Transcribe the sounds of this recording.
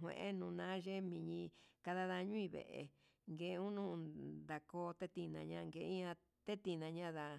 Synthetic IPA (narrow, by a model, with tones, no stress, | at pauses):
ɦwḛ̃˧ʔe˦nũː˧nã˦ʒe˦mĩ˧ɲĩ˧ka˧ða˦ða˧ɲũ˦ĩ˧βḛ˨ʔḛ˨ | ŋɡe˨˧ũ˦nũ˦˧d̪a˨koː˧˦t̪e˦t̪i˧nã˧ɲã˧ŋɡe˧˨˦ã˧ | t̪e˦t̪i˧nã˧ɲã˦ða˧